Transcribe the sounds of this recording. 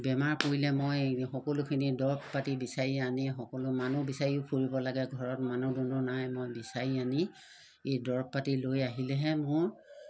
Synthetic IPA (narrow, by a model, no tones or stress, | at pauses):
bɛmaɹpoɹilɛmojxɔkɔlʊkʰinidɔɹppatibisaɹianixɔkɔlʊmanubisaɹiʊpʰuɹibɔlaɡɛɡʱɔɹɔtmanudɔnɔnajmojbisaɹiani | ejdɔɹppatilojaɦilɛɦɛmʊɹ